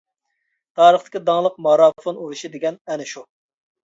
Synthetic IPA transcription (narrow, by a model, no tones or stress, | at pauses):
t̪ʰɑːɾəχt̪ɪ̥kʲid̪ɑŋlˠəq̚mɑɾɑfonuɾuʃid̪eɡʲɛnɛnɪʃu